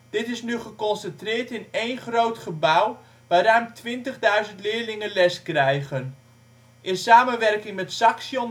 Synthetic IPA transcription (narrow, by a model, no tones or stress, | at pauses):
d̥ɪtɪsnyχəkɔnsəntrɪːɹtɪnejnχrowtχəbaw | ʋaːɾaːmtʋɪntəχdœɥzəntlɪːɹlɪŋənlɛskrɛjχən | ʔɪnsaːmənʋɛrkɪŋmɛtsɑksjɔn